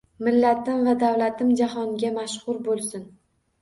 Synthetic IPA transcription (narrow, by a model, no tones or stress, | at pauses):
mɪlːat̪ʰɪmvad̪awlat̪ʰɪmd͡ʒahɒŋɡʲamaʃχʊɾbolˠsɪn